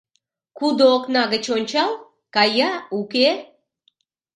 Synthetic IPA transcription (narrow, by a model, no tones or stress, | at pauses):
kud̪ooknɑɡət͡ɕonʲt͡ɕɑl | kɑjɑuke